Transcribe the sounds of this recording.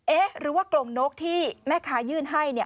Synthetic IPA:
ʔeː˦˥ɾɯː˨˩˦waː˥˩klo˨˩ŋnoː˦˥k̚t̪ʰiː˥˩mɛː˥˩kʰaː˨˦˥jɯː˥˩nɦa˥˩jni˥˩ɐ

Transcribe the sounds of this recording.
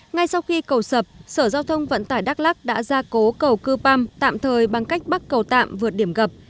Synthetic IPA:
ŋa˧jsa˧wxi˧kə˨˩wsə˨˩p̚səː˧˩zaː˧wt̪ʰə˧wŋ͡mvə̰˧˨nt̪aː˧˩jɗaː˦˥k̚laː˦˥k̚ɗa̰ː˧˥zaː˧ko˨˦kə˨˩wkɨ˧pa˧mt̪a̰ː˧˨mt̪ʰəː˨˩jɓa˨˩ŋka˦˥jk̚ɓa˦˥k̚kə˨˩wt̪a̰ː˧˨mvɨ˨˩ət̚ɗi˧˩əmɣə˨˩p̚

